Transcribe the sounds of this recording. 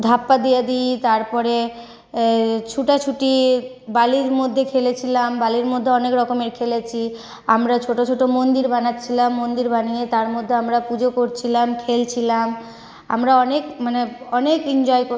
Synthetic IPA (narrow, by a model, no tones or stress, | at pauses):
d̪ʱapːad̪ijad̪ijt̪aɾpɔɾe | t͡ɕʰuʈat͡ɕʰuʈi | baliɾmod̪ʱːekʰelet͡ɕʰilambaliɾmod̪ʱːeɔnekɾɔkomeɾkʰelet͡ɕʰi | amɾat͡ɕʰoʈot͡ɕʰoʈomond̪iɾbanaːt͡ɕʰilamːond̪iɾbaniet̪aɾmod̪ʱːeamɾapud͡ʑokoɾt͡ɕʰilamkʰelt͡ɕʰilam | a̰mɾaɔnekmaneɔnekind͡ʑɔeko